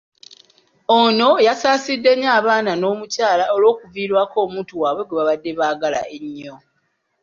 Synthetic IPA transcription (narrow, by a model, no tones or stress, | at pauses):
ono̞jasaːsidːe̞ɲːaːβaːnano̞ːmucaːlaolwo̞ːkuviːɾwaːko̞ːmuːtuwaːβwe̞ɡweβaβadːe̞βaːɡala̰ʔeɲːo